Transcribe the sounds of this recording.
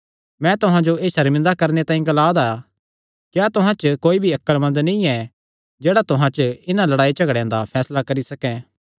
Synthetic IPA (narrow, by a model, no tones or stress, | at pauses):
mɛ̃t̪ʊɦãd͡ʒoeːsɐɾmɪ̃nd̪akɐɾnet̪aːĩɡɐlaːd̪a | kjaːt̪ʊɦãt͡ʃkoːibʱiɐkːəlmɐ̃nd̪nĩɛ | d͡ʒeːɽat̪ʊɦãt͡ʃɪnãlɐɽaːit͡ʃɐɡɽjãd̪apʰɛːslakɐɾisɐkɛ̃ː